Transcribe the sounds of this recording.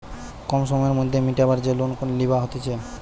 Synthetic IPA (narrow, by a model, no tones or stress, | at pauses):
kɔmʃɔmɔjeɾmod̪ʱːemiʈɛbaɾd͡ʑelonkolibaɦot̪et͡ɕʰe